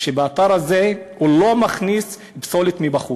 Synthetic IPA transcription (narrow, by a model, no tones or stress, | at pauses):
ʃebaataʁaze̞hulo̞maχnis | ipso̞lit̪mibaχu